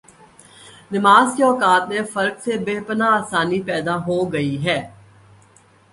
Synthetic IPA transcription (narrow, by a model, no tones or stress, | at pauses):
nɪmaːzjɔːkaːt̪mẽfɐɾksebeɦpənaːsaːnipɛːd̪aɦoɡɐiɦɛː